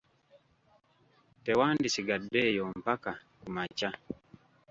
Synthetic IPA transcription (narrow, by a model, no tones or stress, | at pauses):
tɛwandisiɡadːɛjɔmpaka | kumat͡ʃa